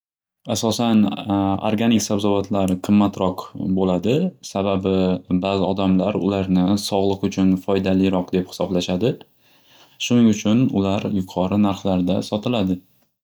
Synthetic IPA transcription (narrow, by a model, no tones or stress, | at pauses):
asɒsano̰ɾɡʲanɪksabzɒvat̪ʰlaɾɪqʰɨmːat̪ɾɒqbolad̪ɪsababɪbazɪɒd̪amlaɾʊ̰laɾnɪsɒʁlˠɨqʊt͡ʃʰʊnfɒjd̪alɪɾɒq̚d̪e̞phɪ̥sɒblaʃad̪ɪ | ʃʊnɪŋʊt͡ʃʰʊnʊ̰laɾjʊqʰɒɾɪnaɾχlaɾd̪asɒt̪ʰɪlad̪ɪ